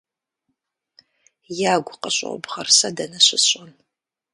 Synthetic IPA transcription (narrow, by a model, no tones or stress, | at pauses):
jaːɡʷʊqəɕʼo̰wbʁɐrsɐdɐnɐɕɪɕʼɐn